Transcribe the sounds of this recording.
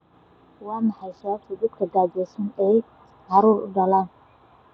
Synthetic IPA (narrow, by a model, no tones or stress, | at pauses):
wɑːmɑħɑjsɐwaːb̚t̪ʰid̪ɐd̪kʰɐɡaːd͡ʒɛːsʊnɛː | ʕɑɾuːɾʊ̰ɖɐlaːn